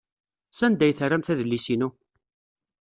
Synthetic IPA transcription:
sænd̪æjθəræmθæðəlːisinu

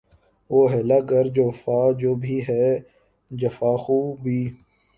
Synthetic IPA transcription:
ʋoːɦɛːlaːkəɾd͡ʒoːfaːd͡ʒoːbʱiːɦɛː | d͡ʒəfaːxuːbʱiː

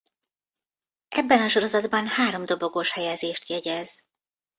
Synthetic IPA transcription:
ɛbːɛnɒʃo̞ɾo̞zɒd̪bɒnhaːɾo̞md̪o̞bo̞ɡoʃhɛjɛzeːʃt̪jɛɟɛz

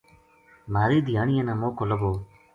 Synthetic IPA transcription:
maːɾiːd̪jaːnɪjanaːmoːkoləboː

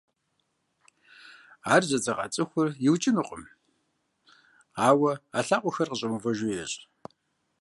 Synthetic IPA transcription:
aːrzɐd͡zɐqa̰t͡sʼɨxʷʊrjɪwt͡ʃʼɪnɨqʼə̰m | aːwɐaːɬaːqʷɔxɐrqəɕʼɐmuvɐʒʊjɛɕʼ

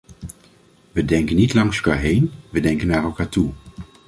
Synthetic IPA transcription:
ʋədɛŋkənːitlɑŋsəlka̰ːɹɦejnʋədɛŋkənːaːɹɛlˠkaːɹtu

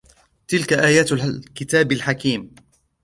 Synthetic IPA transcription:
t̪ɪlkaʔaːjaːt̪lkɪt̪aːbalħakiːm

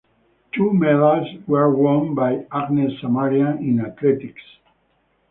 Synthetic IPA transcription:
t̪ʰumɛðalswɛɹwɔ̃nbajaɡnesːamaɾiãĩnat̪lɛt̪iks

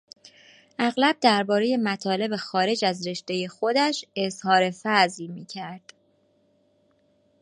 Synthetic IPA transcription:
ʔæɣlæb̚d̪æɾbɒːɾe̞je̞mæt̪ʰɒːle̞be̞xɒːɾe̞d͡ʒæzɾe̞ʃt̪e̞je̞xo̞d̪æʃe̞zhɒːɾe̞fæzlmiːcʰæɾd̪̥

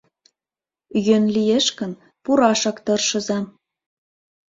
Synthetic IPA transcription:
jønlijeʃkə̆n | puɾɑʃɑkt̪ɤ̆rʃɤ̆zɑm

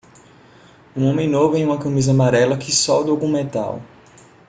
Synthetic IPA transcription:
ũõmẽj̃novʊẽj̃ũmɐkɐ̃mizɐamaɾɛlɐkɪsɔd̪oɡũmẽt̪a̰w

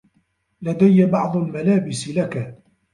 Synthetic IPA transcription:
lad̪ajːabɑʕd̪ˤʊlmalaːbɪsɪlaka

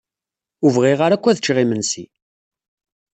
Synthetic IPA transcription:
uvʁiʁaɾækʷːæðət͡ʃːʁimənsḭ

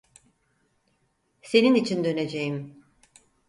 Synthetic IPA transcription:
se̞ninit͡ʃʰind̪ø̞ne̞d͡ʒejim

